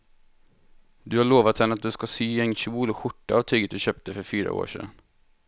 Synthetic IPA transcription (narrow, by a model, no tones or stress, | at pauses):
d̪ɵhaɭoːvat̪hɛnːat̪̚d̪ɵskasyːɛnɕuːlɔɧʊʈːaːvt̪ʰyːɡət̪̚d̪ɵɕøːp̚t̪əfœɾfyːɾa̰ʔo̰ːʂɛ̰n